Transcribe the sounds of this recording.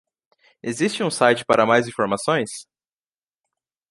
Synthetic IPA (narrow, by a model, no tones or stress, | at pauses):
ezist͡ʃɪũsajt͡ʃɪ̥paɾɐmajzĩfoɾmasõj̃s